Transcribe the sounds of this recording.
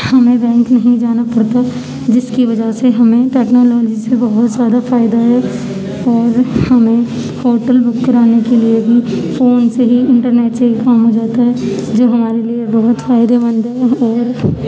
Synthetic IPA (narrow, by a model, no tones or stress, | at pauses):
hɐmẽbɛ̃ːŋknɐɦĩd͡ʒaːnapɐɽt̪a | d͡ʒɪskiʋɐd͡ʒaseɦɐmẽʈɛːknɔːlɔːd͡ʒisebɐɦʊt̪zjaːd̪afaːɪd̪aɦɛ | ɔːɾhɐmẽ | hoːʈəlbʊkːəɾaːnekeliebʱifoːnseɦiɪ̃ɳʈəɾneːʈsekaːmɦod͡ʒaːt̪aɦɛd͡ʒoːɦɐmaːɾeliebɐɦʊt̪faːɪd̪eʋɐ̃nd̪ɦɛɔːɾ